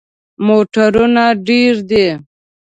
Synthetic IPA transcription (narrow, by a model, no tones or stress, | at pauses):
moʈaɾunaɖeɾd̪e